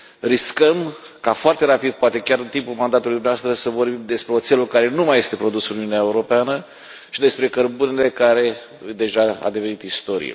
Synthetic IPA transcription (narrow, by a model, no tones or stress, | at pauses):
riskəm | kafoart̪e̞ɾapid̪̚poat̪e̞kʲaɾɨnt̪impulmand̪at̪ulujd̪umneavast̪ɾəsəvo̞rbimd̪e̞spɾe̞o̞t̪se̞lukaɾe̞numaje̞st̪e̞pɾo̞d̪usɨnuniuneaeuɾo̞peanə | ʃid̪e̞spɾe̞kərbunele̞kaɾe̞ | d̪e̞ʒaa̰d̪e̞ve̞nit̪ist̪o̞ɾḭjḛ